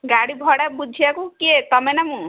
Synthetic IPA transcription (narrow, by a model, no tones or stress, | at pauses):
ɡaɽibʱɔɽabud͡ʒʱiakukiet̪ɔmenamũ